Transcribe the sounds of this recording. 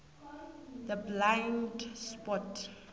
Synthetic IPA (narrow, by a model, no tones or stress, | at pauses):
d̪əblãjndspɔt